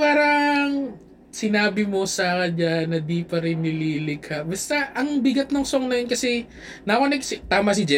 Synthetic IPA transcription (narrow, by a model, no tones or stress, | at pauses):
paːɾɐŋ | sɪnaːbɪmo̞sɐkɐɲanɐd̪iːpɐɾɪnːɪliːlɪkhɐʔbɐst̪aʔɐŋbɪɡɐt̪̚noŋsoŋnɐjonkɐsɛ | nɐkonɐksɪt̪aːmɐsɪd͡ʒɛ